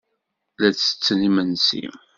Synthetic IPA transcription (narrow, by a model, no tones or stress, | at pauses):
læt͡sːə̥t͡sːnimənsḭ